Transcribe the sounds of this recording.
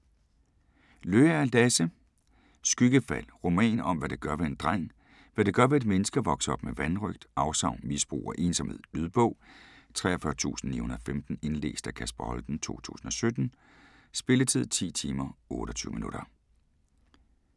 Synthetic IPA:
løːææld̥æsə | sɡ̥yɡ̥əfæl̰ʁo̝mɛ̰ːnɒ̽mʋæɾ̥eɡ̥ɶɐʋe̝end̥ʁɑŋ̰ | ʋæɾeɡ̥ɶɐʋe̝e̝d̥menəsɡ̥ɐʋɒ̽ɡ̥sɒ̽b̥meʋænʁœɡ̥̚d̥ɑ̈ʊsɑ̈ʊnmisb̥ʁṵːɒʔe̝ːnsɒ̽mheð̰ˠlyð̞ˠb̥ɔ̽ʊ̰t͡sʰʁɛ̰ɐfɶɐt͡sʰṵːsn̩ːḭːhunɐðˠɒfemd̥n̩e̝nlḛːsd̥ækʰæsb̥ɐhɒ̽ld̥n̩t͡sʰo̝̰ːt͡sʰṵːsn̩ɒ̽sød̥n̩ | sb̥e̝lət͡sʰið̞̰ˠt͡sʰḭːt͡sʰiːmɐɔ̽ːɾ̥ɒt͡sʰyːʊminuɾ̥ɐ

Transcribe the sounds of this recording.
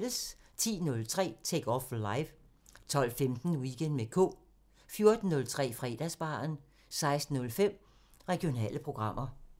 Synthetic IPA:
ləst͡sʰḭːnɔ̽lt͡sʰʁɛ̰ːt͡sʰeɡ̥ɒflɑ̈ɪʋ | t͡sʰɒ̽l̰femd̥n̩wiɡ̥ʰend̥mekʰɔ̝̰ː | fjo̝ɐd̥n̩ːɔ̽lt͡sʰʁɛ̰ːfʁɛ̰ːd̥æsb̥ɑ̰̈ːn | sɑ̈ɪsd̥n̩ɔ̽lfem̰ | ʁɛɡ̥io̝nɛ̰ːləpʰʁo̝ɡ̥ʁɑ̈m̰ʔɐ

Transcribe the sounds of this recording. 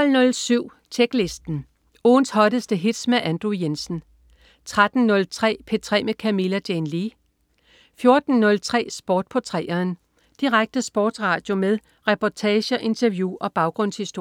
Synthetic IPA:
ɒlnɔ̽lsyʊ̰ | t͡sʰeɡ̥le̝sd̥n̩ | oːnshɒ̽ɾəsd̥əɦid̥smæʔænd̥ʁujensn̩ | t͡sʰʁad̥n̩nɔ̽lt͡sʰʁɛ̰ːpʰe̝t͡sʰʁɛ̰ːmekʰæmilæd̥enli | fjo̝ɐd̥n̩ːɔ̽lt͡sʰʁɛ̰ːsb̥ɒːd̥̚pʰɒt͡sʰʁɛːɐːn | d̥iʁaɡ̥̚d̥əsb̥ɒːd̥sʁɑ̈d̥jo̝meðˠ | ʁɛpʰɒt͡sʰɛːɕəʔe̝nt͡sʰɐʋjuʔɒ̽b̥ɑ̈ʊɡ̥ʁɔ̽n̰shisd̥o̝

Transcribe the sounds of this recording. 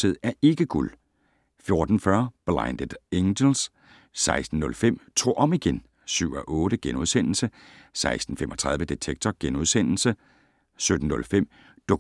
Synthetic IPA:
se̝ð̞̰ˠæɐe̝ɡ̥əɡ̥ul | fjo̝ɐd̥n̩fɶɐb̥lɑ̈ɪnd̥ed̥eŋdəls | sɑ̈ɪsd̥n̩ːɔ̽lfem̰t͡sʰo̝̰ːʔɒ̽m̰iɡ̥en | syʊ̰ɒʔɔ̽ːɾ̥əɡ̥enuð̞ˠsen̰l̩sə | sɑ̈ɪsd̥n̩femʔɒ̽t͡sʰʁɑ̈ðˠʋjəd̥et͡sʰeɡ̥̚t͡sʰɒɡ̥enuðˠsen̰l̩sə | sød̥n̩ːɔ̽lfem̰ | d̥o

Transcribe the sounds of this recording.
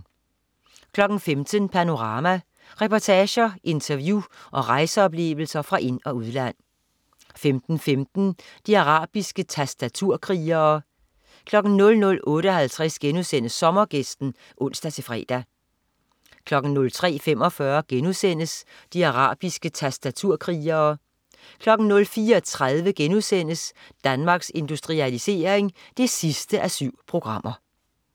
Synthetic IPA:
kʰlɒ̽ɡ̥n̩femd̥ənpʰæno̝ʁɑ̈ːmæ | ʁɛpɒt͡sʰɛːɕɐʔe̝nt͡sʰɐʋjuʔɒ̽ʁɑ̈ɪsəɒ̽b̥le̝̰ːʋl̩sɐfʁɑ̈ʔe̝n̰ɒ̽uð̞ˠlæn̰ | femd̥n̩femd̥n̩d̥iæʁɑ̰̈ːb̥isɡ̥ət͡sʰæsd̥æt͡sʰuɐ̰kʰʁiːɐː | kʰlɒ̽ɡ̥n̩nɔ̽lnɔ̽lɔ̽ːɾəɒ̽hælt͡sʰʁɛsɡ̥enusen̰əsːɒ̽mɐɡ̥esd̥n̩ | ʔɔ̽n̰sd̥æt͡sʰe̝fʁɛ̰ːd̥æ | kʰlɒ̽ɡ̥n̩nɔ̽lt͡sʰʁɛ̰ːfem̰ɒ̽fɶɐɡ̥enusen̰əs | d̥iɑʁɑ̰̈ːb̥isɡ̥ət͡sʰæsd̥æt͡sʰuɐ̰kʰʁiːɐː | kʰlɒ̽ɡ̥n̩nɔ̽lfiːɐɒt͡sʰʁað̞ˠʋəɡ̥enuðˠsen̰əsd̥ænmɑ̈ɡ̥se̝nd̥usd̥ʁiælise̝̰ːɐe̝ŋ | d̥e̝sisd̥əʔæsyʊ̰pʰʁo̝ɡ̥ʁɑ̈m̰ʔɐ

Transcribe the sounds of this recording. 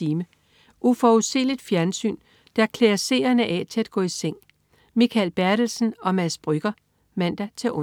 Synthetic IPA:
iːmə | ʔufɒuse̝̰ːlid̥fjæɐnsy̰ːn | d̥æɐkʰleːɐse̝̰ːɐnəʔɛt͡sʰe̝læd̥̚ɡ̥ɔ̰̽ːiseŋ̰ | mikʰælb̥æɐd̥l̩sn̩ɒ̽mæsb̥ʁyɡ̥ɐ | mæn̰d̥æt͡sʰe̝ʔɔ

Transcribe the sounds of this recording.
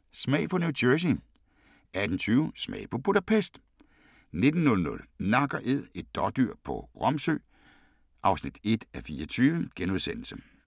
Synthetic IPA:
smɛ̰ɪpʰɒ̽nuʊdʰøs̬i | ʔæd̥n̩t͡sʰyːʊsmɛ̰ɪ̰pʰɒ̽bʰuɾæpʰesd̥ | ne̝d̥n̩ːɔ̽lnɔ̽lnɑ̈ɡ̥ɐʔe̝ð̰ˠe̝d̥̚ːɒd̥yɐ̰pʰɒ̽ʁɒ̽msø̰ː | ʔɑ̈ʊsnid̥e̝d̥æfiːɒt͡sʰyːʋəɡ̥enuð̞ˠsen̰l̩sə

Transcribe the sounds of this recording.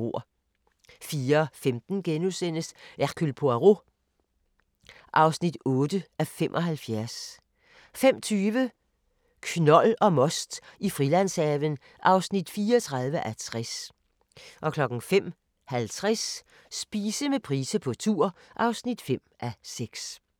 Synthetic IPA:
o̝ɐ̰ | fiːɐɒfemd̥n̩ɡ̥enusen̰əsʔæʁkʰylpʰoæʁo̝ | ʔɑ̈ʊsnid̥ɔ̽ːd̥əʔæfemʔɒ̽ɦælfjæɐs | fem̰t͡sʰyːʋə | kʰnɒ̽lɒ̽mɒ̽sd̥ifʁilæn̰sɛʋən | ʔɑ̈ʊsnid̥fiːɐɒt͡sʰʁɑ̈ð̞ˠʋəʔæt͡sʰʁas | ʔɒ̽kʰlɒ̽ɡ̥n̩fem̰ | hælt͡sʰʁas | sb̥iːsəmepʰʁiːsəpʰɒ̽t͡sʰuɐ̰ʔɑ̈ʊsnid̥fem̰ʔæseɡ̥s

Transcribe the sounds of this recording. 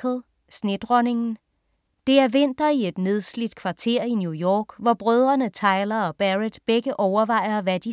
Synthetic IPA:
l̩ˠ | sne̝d̥ʁɒne̝ŋn̩ | d̥e̝æɐʋen̰d̥ɐie̝d̥ne̝ð̞ˠslid̥kʰʋɑ̈t͡sʰe̝̰ɐ̰injujɒːɡ̥ʋɒb̥ʁœð̞ˠʁɐnət͡sʰɑ̈ɪlɐɒ̽b̥æʁed̥b̥eɡ̥əʔɒʊɐʋɑ̈ɪ̰ɐʋæd̥i

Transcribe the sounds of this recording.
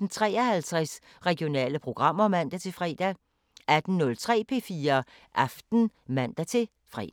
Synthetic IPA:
d̥n̩t͡sʰʁɛ̰ːɐhælt͡sʰʁɛs | ʁɛɡ̥jo̝nɛ̰ːləpʰʁo̝ɡ̥ʁɑ̈m̰ɐmæn̰d̥æt͡sʰe̝fʁɛ̰ːd̥æ | æd̥n̩nɔ̽lt͡sʰʁɛ̰ːpʰe̝̰ːfiːɐ | ʔɑ̈fd̥n̩mæn̰d̥æt͡sʰe̝ | fʁɛ̰̥

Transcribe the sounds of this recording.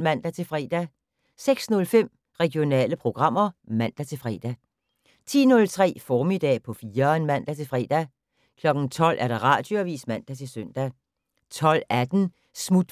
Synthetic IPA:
mæn̰d̥æt͡sʰe̝lfʁɛ̰ːd̥æ | seɡ̥snɔ̽lfem̰ | ʁɛɡ̥ijo̝nɛ̰ːləpʰʁo̝ɡ̥ʁɑ̈m̰ɐmæn̰d̥æt͡sʰe̝fʁɛ̰ːd̥æ | t͡sʰḭːnɔ̽lt͡sʰʁɛ̰ːfɒːmid̥ɛ̰ːpʰɒ̽fiːɐnmæn̰d̥æt͡sʰe̝lfʁɛ̰ːd̥æ | kʰlɒ̽ɡ̥ŋ̩t͡sʰɒ̽l̰ʔæɐɾ̥ɑʁɑ̈ːd̥joæʋḭːsmæn̰d̥æt͡sʰe̝lsœn̰d̥æ | t͡sʰɒ̽l̰æd̥n̩ | smud̥

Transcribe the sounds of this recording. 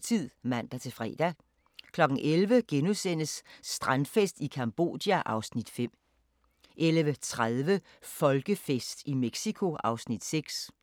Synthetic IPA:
t͡sʰið̰ˠmæn̰d̥æt͡sʰe̝fʁɛ̰ːd̥æ | kʰlɒ̽ɡ̥n̩ʔelʋəɡ̥enusen̰əsːd̥ʁan̥fesd̥ikʰɑmb̥o̝̰ːd̥jæʔɑ̈ʊsnid̥fem̰ | ʔelʋət͡sʰʁaðˠʋə | fɒ̽lɡ̥əfesd̥imeɡ̥sikʰo̝ɑ̈ʊsnid̥seɡ̥s

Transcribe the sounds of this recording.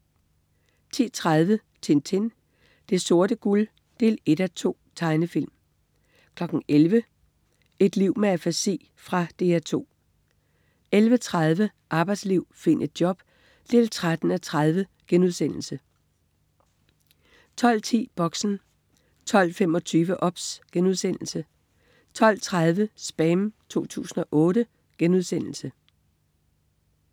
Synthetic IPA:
t͡sʰḭːt͡sʰʁað̞ˠʋə | t͡sʰe̝nt͡sʰe̝n | d̥e̝so̝ɐɾ̥əɡ̥ul | d̥e̝̰ːle̝ɾ̥æt͡sʰo̝̰ːt͡sʰɑ̈ɪnəfil̰m | kʰlɒ̽ɡ̥n̩elʋə | e̝d̥liʊ̰meæfæsḛː | fʁɑ̈d̥e̝̰ːæt͡sʰo̝̰ː | elʋət͡sʰʁað̞ˠʋə | ʔɑ̈ːb̥ɑ̈ɪd̥sliʊ̰fe̝n̰ʔe̝d̥̚djɒ̽b̥ | d̥e̝lt͡sʰʁad̥n̩æt͡sʰʁað̞ˠʋəɡ̥enuð̞ˠsen̰l̩sə | t͡sʰɒ̽l̰t͡sʰḭːb̥ɒ̽ɡ̥sn̩ | t͡sʰɒ̽l̰fem̰ɒ̽t͡sʰyːʋəʔɒ̽b̥sɡ̥enuð̞ˠsen̰l̩sə | t͡sʰɒ̽l̰t͡sʰʁað̞ˠʋəsb̥ɛmt͡sʰo̝̰ːt͡sʰṵːsn̩ɒ̽ʔɔ̽ːɾə | ɡ̥enuð̞ˠsen̰l̩sə

